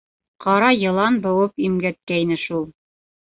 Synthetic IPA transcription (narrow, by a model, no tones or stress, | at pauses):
qɑɾɑjɤ̆lˠɑnbɤ̆wɤpimɡæt̪̚kæinɘʃulˠ